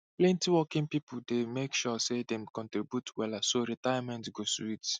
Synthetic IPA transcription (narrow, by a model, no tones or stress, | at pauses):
plɛ̃ntiwɔkĩŋpipʰuldemekʃɔsedɛ̃mkɔ̃ntɹibjutwɛlasoɾitajamɛ̃ntɡoswit